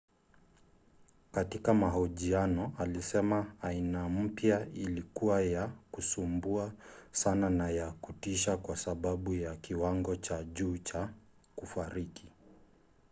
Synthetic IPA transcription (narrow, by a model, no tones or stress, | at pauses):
katikamaɦɔʄianɔalisɛmaːinam̩pjailikuwajakusumbuasananajakutiʃakwasaɓaɓujakiwaŋɡɔt͡ʃaʄuːt͡ʃa | kufaɾiki̥